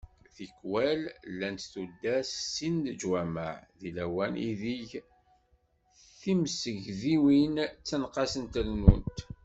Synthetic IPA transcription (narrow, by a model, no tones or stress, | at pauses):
θikːwællːænt̪θud̪ːæssːinðəd͡ʒwæma̰ʕðilæwænḭðiʝ | θimsəʝðiwint͡sːənqɑsənt̪əlmṵnt̪